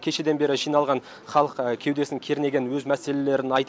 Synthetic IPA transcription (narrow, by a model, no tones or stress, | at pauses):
kʲʰe̞ʃe̞d̪e̞nbe̞ɾɪʒijnɑlˠʁɑn | χɑlˠəqkʲʰe̞wd̪e̞sɪŋkʲʰe̞ɾne̞ɡʲe̞nwɵzmæse̞le̞le̞ɾɪnɑjt̪